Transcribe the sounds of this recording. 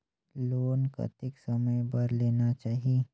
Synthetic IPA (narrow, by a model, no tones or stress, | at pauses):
loːnka̰t̪ɪksɐməjbɐɾleːnat͡ʃaːɦieː